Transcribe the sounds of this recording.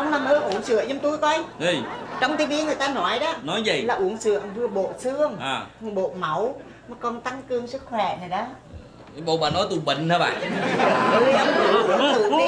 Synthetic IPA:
ə˧wŋ͡mlaː˨˩məː˨˦ʔu˧˩ənsɨ̰˧˨əzə˧˦ŋ͡mt̪u˧jkɔ˧ji˧˩t͡ɕɔ˧wŋ͡mt̪i˨˧˦ɓi˧ənŋɨ˨˩əjt̪aː˧nɔ˨˧˦jɗɔ˨˦nɔ˨˦jzi˨˩laː˨˩ʔu˧˩ənsɨ̰˧˨əŋvɨ˧əɓo̰˧˨sɨ˧əŋʔaː˨˩˨ɓo̰˧˨mə˨˧˩w | n˨˦jkɔ˧˩nt̪a˨˧˦ŋkɨ˧əŋsɨ˦˥t̚xwɛ˧˩nə˨˩jɗɔ˨˦˧ | ɓo̰˧˨ɓa̰ː˧˩nɔ˨˦jt̪u˨˧˩ɓi˧˨ŋ̟haː˧˦ɓa̰ː˧˨˩ | u˧jə˧˩ʔo˨˩˦t̪ɨ˧˩˨i˧˦

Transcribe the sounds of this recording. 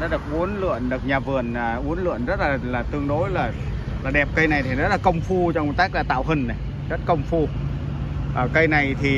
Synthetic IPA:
a̰˨˦ɗɨ˨˩ək̚ʔu˨˦ənlɨ̰˧˨ənɗɨ˨˩ək̚ɲaː˨˩vɨ˨˩ənː˨˩ʔu˨˦ənlɨ̰˧˨ənzə˦˥t̚laː˨˩laː˨˩t̪ɨ˧əŋɗo˧˦jlaː˨˩ | laː˨˩ɗɛ˨˩p̚kə˧jna˨˩jt̪ʰi˨˩zə˦˥t̚laː˨˩kə˧wŋ͡mfu˧t͡ɕɔ˧ŋ͡mmo˨˩t̚ka˦˥k̚laː˨˩t̪a̰ː˧˨wɦə˨˩nna˨˩ | zə˦˥t̚kə˧wŋ͡mfu˧ | ʔəː˨˩kə˧jna˨˩jt̪ʰi˨˩

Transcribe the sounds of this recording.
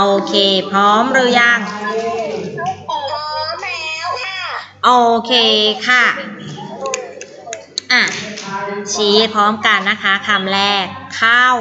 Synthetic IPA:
ʔoː˧kʰeː˧˩pʰɾɔː˦˥mɾɯː˦˥ja˧˩ŋ | ʔoː˧kʰeː˧kʰa˥˩ | ʔa˧˩ | t͡ɕʰiː˦˥pʰɾɔː˦˥mka˧nːa˦˥kʰa˦˥kʰa˧˩mlɛː˧˥˩kʰːa˥˩w

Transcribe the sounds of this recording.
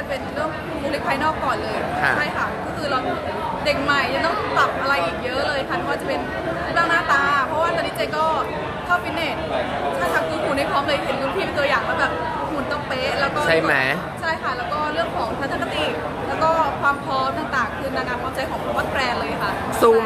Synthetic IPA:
t͡ɕa˧˩pe˧nɾɯ˥˩əŋ˩uː˧li˦˥k̚pʰaː˧jnɔː˥˩k̚kɔː˨˩nlɤː˧jʰa̰˧˩a˥˩jkʰa˦˥˩kʰɔː˧˥˩kʰɯː˧lɔ˧ŋ | de˨˩k̚ma˨˩jt͡ɕa˨˩t̪ɔː˥˩ŋp̪a˨˩p̚ʔa˧ɾa˧jʔiː˨˩k̚jɤ˦˥ʔlɤː˧jkʰa˥˩a˧˩waː˧˩t͡ɕa˨˩pe˧n˦ | plaː˥˩ŋnaː˥˩t̪aː˧pʰɔ˦˥waː˥˧˨t̪a˧ni˦˥t͡ɕa˧jkɔː˥˩ | kʰaː˥˩fi˦˥nneː˨˩ | t̪ʰaː˥˩t̪ʰaː˧˩ŋkʰuː˨˦˥kʰuː˨˩˦na˥˩jpʰɾɔː˦˥mlɤː˧jɦe˨˩˦nku˧˥˦np̪ʰiː˥˩t̪u˧jaː˨˩k̚ta˧˩bɛː˨˩p̚ | mu˨˩˦nt͡ɕɔ˧˩peː˦˥lɛː˦˥wkɔː˥˩a˥˩ma˦ | t͡ɕʰa˥˩jkʰa˦˥˩lɛː˦˥wkɔː˥˩ɾɯ˥˩əŋkʰɔː˩˦ŋt̪ʰaː˧˥t̪ʰa˥kʰːa˧˥t̪iː˨˩ | lɛː˦˥wkɔː˥˩kʰwaː˧mpʰɾɔː˦˥mt̪aː˨˩ŋt̪aː˨˩ŋkʰɯː˧nt̪aː˧˩kaː˧npʰaː˧mt͡ɕa˧jkʰɔː˩˦ŋpʰa˧˥wa˦˥t̪̚pɾɛː˧lɤː˧ja˩kʰa˦˥ʔ | su˧˩

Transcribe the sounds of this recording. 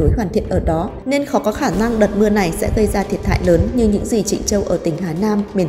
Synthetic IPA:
o˨˦jɦwaː˧˩nt̪ʰḭ˧˨ənʔəː˧˩ɗɔ˨˦ | ne˧nxɔ˨˦kɔ˨˦xaː˧˩na˧ŋɗə˨˩t̚mɨ˧əna˨˩jsɛ̰˧˥ɣə˧jzaː˧t̪ʰi˨˩ət̚tʰa̰ː˧˨jləː˨˦nɲɨ˧ɲɨ̰˧˥ŋzi˨˩t͡ɕï˧˩ŋ̟t͡ɕə˧wʔəː˧˩t̪ï˧˩ŋ̟ɦaː˨˦naː˧mːi˨˧˩

